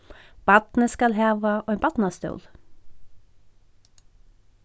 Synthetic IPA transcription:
b̥ɑt̪nəskɑlheːʋɑʔoːeːnbɑt̪n̩ɑːst̪o̰ːl

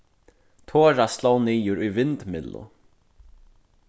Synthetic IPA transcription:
t̪ʰoːɾast̪lowniːjʊɾujvɪnt̪mɪlʊ̰

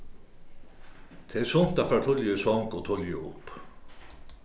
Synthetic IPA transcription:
t̪ʰɛsʊn̥t̪afɾat̪ʰʊljʏsɔŋkɔt̪ʰʊljʏ̰ʊ̰p

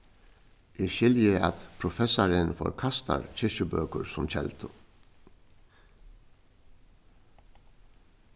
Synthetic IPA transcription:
ʔɪʃɪljəɑt̪pʰɾʊfɛsɑɾənfɔ̰ɾkʰɑst̪ɑ̰ɾc͡çɪʃəbøːkəɾsʊmc͡çʰɛ̰lt̪ʰʊ

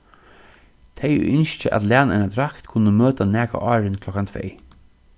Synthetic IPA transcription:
t̪ʰɛj̰ʔʏnʃt͡ʃəʔa̰t̪læːnanad̪ɾakt̪kʰʊnːəmøːt̪anæːka̰ʔɑːɾɪnkʰlɔkant̪ʰvḛj

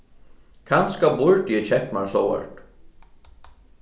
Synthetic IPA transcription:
kʰanskabʊɹt̪jɛt͡ɕʰɛhpmaɾsowɛ̰ɾt̪

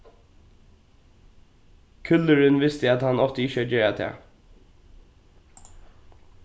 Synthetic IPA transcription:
kʰʏləɹʏnʋɪst̪əɛt̪hɑnɔft̪əɪçəɔːd͡ʒeːɹat̪ʰæ̰ː

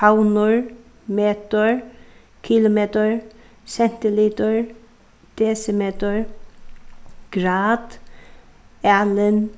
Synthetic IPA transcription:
pawnʊɹ | meːt̪əɹ | kʰɪlʊmeːt̪əɹ | sɛnt̪ɪliːt̪əɹ | d̪̥eːsəmeːt̪əɹ | ɡ̥ɾɑːd̪̥ | æːlən

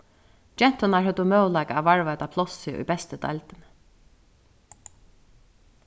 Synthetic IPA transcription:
d͡ʒɛn̥t̪ɔnaɹɦœt̪ːʊmœːwlakaæːʋaɹvajt̪apʰlɔsɪʔṵjbɛst̪əd̪ʰa̰jlt̪ɪn

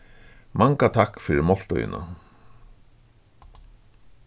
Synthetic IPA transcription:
mʔaŋkat̪ʰakfɪɾɪɾmɔl̥t̪ɔ̰jɪ̰na̰

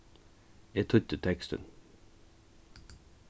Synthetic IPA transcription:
et̪ʰʊt̪ət̪ʰɛkst̪ə̰n

